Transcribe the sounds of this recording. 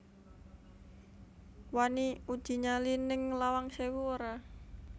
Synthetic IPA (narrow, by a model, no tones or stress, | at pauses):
waniud̥ʒ̥i̤ɲalinɪŋlawaŋsewuoɾa